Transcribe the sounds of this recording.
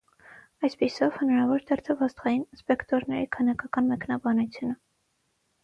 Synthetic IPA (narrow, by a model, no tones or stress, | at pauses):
ɑjspisɔvhənɑɾɑvɔɾd̪ʰɛɾt̪ʰəvɑst̪χɑjinspɛkt̪ɔɾnɛɾikʰənɑkɑkɑnmɛknɑbɑnut͡sʰjunə